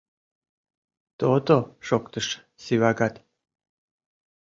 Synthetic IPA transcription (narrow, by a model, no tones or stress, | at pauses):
t̪ot̪oʂokt̪əʂ | siwaɡat̪ʲ